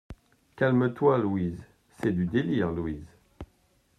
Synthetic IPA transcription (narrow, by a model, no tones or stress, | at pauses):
kʲalmət̪walwiz | sɛd̪yd̪eliʁluwiz